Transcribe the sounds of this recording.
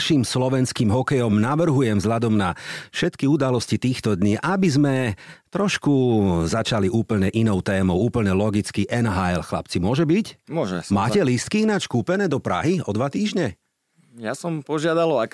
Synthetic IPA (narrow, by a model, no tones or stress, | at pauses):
ʃiːmslɔʋɛnskiːmɦɔkɛjɔmnaʋr̩ɦujɛmvzɦʎad̪ɔmnafʃɛt̪kiud̪alɔscit̪iːxt̪ɔd̪ɲiːʔabizmɛt̪ɾɔʃkuzat͡ʃaliʔuːpl̩ɲɛʔinɔʊt̪ɛːmɔʊuːpl̩ɲɛlɔɡit͡skiʔɛnɦajɛlxla̰pt͡simʊɔʒɛbicmʊɔʒɛ̰maːcɛlist̪̚kiinaːt͡ʃkuːpɛnɛːd̪ɔpɾa̰ɦiɔd̪ʋat̪iːʒɲɛ | jasɔmpɔʒɪad̪alɔa